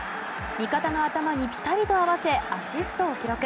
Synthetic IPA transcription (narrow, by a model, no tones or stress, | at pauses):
mʲikat̪ano̞at̪amaɲ̟ipʲi̥t̪aɾʲit̪o̞aβase̞aɕisɨ̥t̪o̞ːkʲiɾo̞kɯ̟